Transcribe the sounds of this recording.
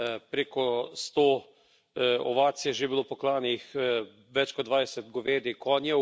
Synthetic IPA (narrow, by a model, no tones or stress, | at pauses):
pɾeːkɔst̪oː | ɔ̰ʋaːt̪sjɛʒebilopɔklaːnix | ʋɛt͡ʃkɔd̪ʋaːjsɛt̪ɡoʋeːd̪ikʰɔːnjɛ